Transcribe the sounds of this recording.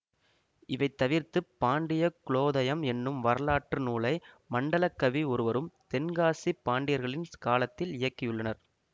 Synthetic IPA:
ɪʋɐɪt̪ːɐʋɪɾt̪ɯpːaːɳɖɪjɐkɪɭoːðɐjɐmɛnːɯmʋɐɾɐlaːʈːrɯnuːlɐɪ | mɐɳɖɐlɐkːɐʋiɔɾɯʋɐɾɯmt̪ɛnɡaːsipːaːɳɖɪjɐɾɣɐɭɪnskaːlɐt̪ːɪlɪjɐkːɪjɯɭːɐnɐɾ

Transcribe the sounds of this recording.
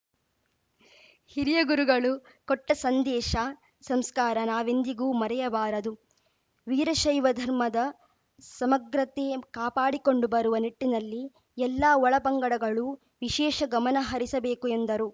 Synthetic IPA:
hiɾijɐɡuɾuɡɐɭu | kɔʈːɐsɐnd̪ɛːʃɐ | sɐmskaːɾɐnaːʋend̪iɡuːmɐɾɛjɐbaːɾɐd̪u | ʋiːɾɐʃɐjʋɐd̪ʱɐɾmɐd̪ɐ | sɐmɐɡɾɐt̪eːkaːpaːɽiko̞ɳɖubɐɾuʋɐniʈːinɐlːi | ɛlːaːɔɭɐpɐŋɡɐɽɐɡɐɭu | ʋiʃɛːʃɐɡɐmɐnɐɦɐɾisɐbeːkuend̪ɐɾu

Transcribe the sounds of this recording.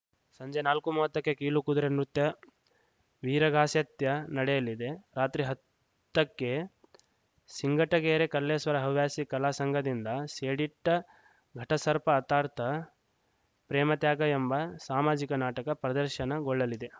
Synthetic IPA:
sɐɲd͡ʒenaːlkumuʋɐt̪ːɐkːekiːlukud̪uɾenɾut̪jɐ | ʋiːɾɐɡʱaːsjɐt̪jɐnɐɽɛjɐlid̪e̞ɾaːt̪ɾiɦɐt̪ː | ɐkːe̞ | siŋɡʱɐʈɐɡeːɾekɐlːeːsʋɐɾɐɦɐʋjaːsikɐlaːsɐŋɡʱɐd̪ind̪ɐseːɽiʈːɐ | ɡʱɐʈɐsɐɾpɐːt̪aːɾt̪ʰɐ | pɾɛːmɐt̪jaːɡɐembɐsaːmaːd͡ʒikɐnaːʈɐkɐpɾɐd̪ɐɾʃɐnɐɡɔɭːɐlid̪e̞

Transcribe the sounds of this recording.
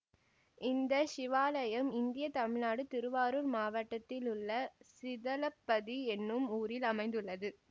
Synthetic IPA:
ʔɪnd̪ɐʃɪʋaːlɐjɐmɪnd̪ɪjɐt̪ɐmɪɻnaːɽɯt̪ɪɾɯʋaːɾuːɾmaːʋɐʈːɐt̪ːɪlʊɭːɐsɪðɐlɐpːɐðiɛnːɯmuːɾɪlɐmɐɪnd̪ɯɭːɐðɯ

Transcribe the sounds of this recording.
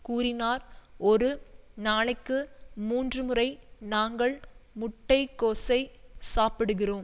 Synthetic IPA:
kuːɾɪnaːɾɔɾɯnaːɭɐɪkːɯmuːndrɯmɯrɐɪnaːŋɡɐɭmʊʈːɐɪkːoːsɐɪsaːpɪɽɯɣɪroːm

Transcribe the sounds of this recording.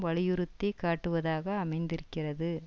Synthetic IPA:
ʋɐɭɪjɯɾɯt̪ːɐkaːʈːɯʋɐðaːɣɐːmɐɪnd̪ɪɾɯkːɪrɐðɯ

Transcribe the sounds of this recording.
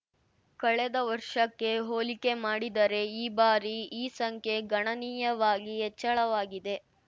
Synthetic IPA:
kɐɭed̪ɐʋɐɾʂɐkːe̞ɦoːlike̞maːɽid̪ɐɾe̞iːbaːɾiiːsɐŋkʰe̞ɡɐɳɐniːjɐʋaːɡiɦɛt͡ʃːɐɭɐʋaːɡid̪e̞

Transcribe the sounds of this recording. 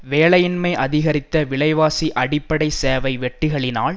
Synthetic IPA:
ʋeːɭɐjɪnmɐɪʔɐðɪɣɐɾɪt̪ːɐʋɪɭɐɪʋaːsiʔɐɽɪpːɐɽɐɪseːʋɐɪʋɛʈːɪɣɐɭɪna̰ːɭ

